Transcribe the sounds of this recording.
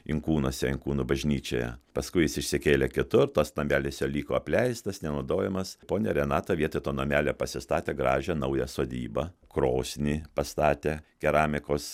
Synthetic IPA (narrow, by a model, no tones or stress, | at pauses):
ɪŋkuːnoɔsʲɛɪŋkuːnubɐʒʲnʲiːt͡ʃʲo̰ːjɛ̰pɐskʊɪjɪsɪʃʲsʲɪkʲeːlʲekʲɪt̪ʊɾt̪osnɐmʲæːlʲesʲolʲiːkoːɐpʲlʲɛɪst̪ɐsnʲɛnɐʊd̪oːjɛmɐspoːnʲeɾʲɛnɑːt̪oːʋʲiɛt̪oɪt̪oːnɐmʲæːlʲepɐsʲɪst̪ɑːt̪ʲeːɡɾɑːʒʲɛnɐʊjɛsoːd̪ʲḭːbɐkɾoːsʲnʲiːpɐst̪ɑːt̪ʲeːkʲɛɾɑːmʲɪkoːs